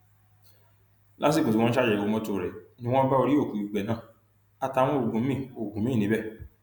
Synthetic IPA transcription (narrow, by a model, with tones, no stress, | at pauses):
la˦s̬i˦˨ko˨swɔ̃˦n̩˦ʃa˦˨d͡ʒɛ˨o˨˧˦mɔ̃˦to˦˨ɾɛ˨nĩ˦w̃ɔ̃˦ba˦o˧ɾi˦o˦˨kũ˨i˨ɡ͡bɛ˨nãː˦˨ | a˧ta˧˦w̃ɔ̃˦o˨ɡũ˨˦ĩ˦˨o˨ɡũ˨mĩ˦˨nĩ˨˦bɛ˦˨